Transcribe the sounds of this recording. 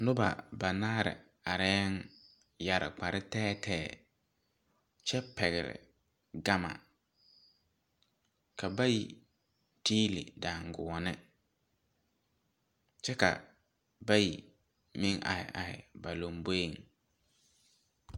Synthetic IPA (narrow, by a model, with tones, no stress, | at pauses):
nʊ˦ba̰˨ba˨naː˦ɾɪ̰˨ | a˨ɾɛ˦ŋ | ja˨ɾɪ̰˨k͡pa˨ɾɪ˦tɛː˦tʰɛː˦˨ | t͡ʃɛ˦pɛ˨ɣɪ˨ɾɪ̰˨ | ɡa˦ma̰˨ | kʰa˨ba˦ji˨ | tiː˦lḭ˨da˨ŋɡʊ˨ɔ˨nɪ˦ | t͡ʃɛ˦ka̰˨ | ba˦ji˨ | mɪ˦ŋʔa̰˨hɪ̰˨ʔa˨hɪ̰˨ba˨lo˨mbo˦i˦˨ŋ